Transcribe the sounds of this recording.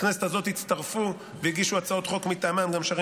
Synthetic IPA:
knesetazo̞t̪it͡st̪aʁfu | veiɡiʃuat͡sao̞t̪χo̞kmit̪amamɡamʃaʁi

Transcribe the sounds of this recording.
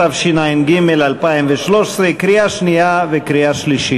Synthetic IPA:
avʃinaimɡimelalpaimveʃlo̞ʃsʁekɾijaʃnijavekɾiaʃliʃi

